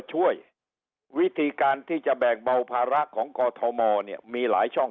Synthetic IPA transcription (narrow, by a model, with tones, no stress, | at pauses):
t͡ɕʰu˥˩əj | wi˦˥t̪ʰiː˧kaː˧nt̪ʰiː˥˩t͡ɕa˨˩bɛː˨˩ŋba˧wpʰaː˧ɾa˦˥ʔkʰɔː˩˦ŋkɔː˧t̪ʰɔ˧mɔː˧ni˥˩əmiː˧la̰ː˩˦jt͡ɕʰɔ˥˩ŋ